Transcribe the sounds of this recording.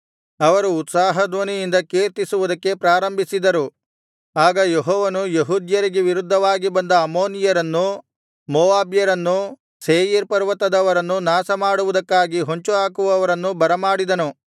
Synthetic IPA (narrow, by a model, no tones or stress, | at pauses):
ɐʋɐɾuːt̪saːɦɐd̪ʋɐnijind̪ɐkeːɾt̪isuʋud̪ɐkːe̞pɾaːɾɐmbʱisid̪ɐɾu | aːɡɐjeɦɔːʋɐnujeɦuːd̪jɐɾiɡeʋiɾud̪ʱːɐʋaːɡibɐnd̪ɐːmoːnijɐɾɐnːu | mɔːʋaːbjɐɾɐnːu | seːjiɾpɐɾʋɐt̪ɐd̪ɐʋɐɾɐnːunaːsɐmaːɽuʋud̪ɐkːaːɡiɦoɲt͡ʃuɦaːkuʋɐɐʋɐɾɐnːubɐɾɐmaːɽid̪ɐnu